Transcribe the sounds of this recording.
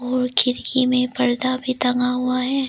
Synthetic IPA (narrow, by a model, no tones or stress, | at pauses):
ɔːɾkʰɪɾkʰimẽpɐɾd̪abʱit̪ɐŋɡaɦuaɦɛː